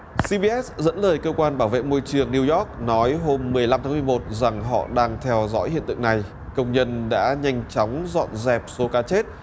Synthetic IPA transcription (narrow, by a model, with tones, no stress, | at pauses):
si˧ɓi˧ʔɛ˦˥tzə̰˧˥nləː˨˩jkəː˧kwaː˧nɓaː˧˩wvḛ˧˨mo˧jt͡ɕɨ˨˩əŋni˧wjɔ˦˥k̚nɔ˨˦jɦo˧mːɨ˨˩əjla˧mt̪aː˨˦m˨˩əmo˨˩t̚za˨˩ŋɦɔ̰˧˨ɗaː˧ŋt̪ʰɛ˧wzɔ̰˧˥jhḭ˧˨ənt̪ɨ̰˧˨ŋna˨˩j | kə˧wŋ͡mɲə˧nɗa̰ː˧˥ɲa˧jŋ̟t͡ɕɔ˨˦wŋ͡mzɔ̰˧˨nzɛ˨˩p̚so˨˦kaː˨˦t͡ɕe˦˥t̚